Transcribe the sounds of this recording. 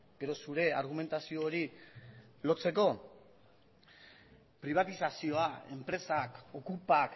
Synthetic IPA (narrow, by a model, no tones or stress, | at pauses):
ɡ̥e̞ɾo̞suɾe̞aɾɣ̞ume̞nt̪asio̞ːɾi | lo̞t͡se̞ko̞ | pɾiβ̞at̪isasio̞ae̞mpɾe̞sako̞kupak